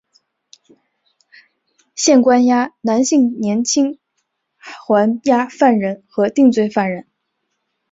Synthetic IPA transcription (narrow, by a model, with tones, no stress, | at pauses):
ɕjɛ˥˩nkwa˥nja˥na˧˥nɕi˥˩ŋnjɛ˧˥nt͡ɕʰi˥ŋ | xwa˧˥nja˥fa˥˩nɻə˧˥nxɤ˧˥t̪i˥˧ŋt͡swe˥˧ɪfa˥˩nɻə˧˥n